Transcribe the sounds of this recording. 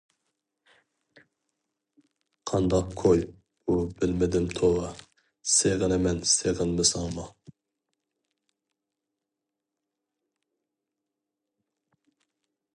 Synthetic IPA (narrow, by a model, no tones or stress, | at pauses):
qʰɑnd̪ɑq̚kʰoj | bubɪlmɪd̪ɪmt̪ʰowɑ | seʁənɨmɛnseʁənmɪsɑŋmɑ